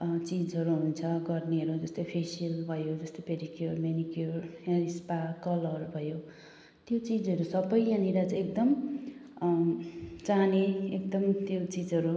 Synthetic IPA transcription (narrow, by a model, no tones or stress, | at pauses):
t͡sid͡zʌɾuɦunt͡sʰʌɡʌrniɦʌɾud͡zʌst̪opʰesiʌlbʱʌjod͡zʌst̪opeɾikjormenikjorjaɾispakʌlʌɾubʱʌjo | t̪jot͡sid͡zɦʌɾusʌbʌjjãniɾat͡sekd̪ʌm | t͡saneek̚d̪ʌmt̪jot͡sid͡zʌɾu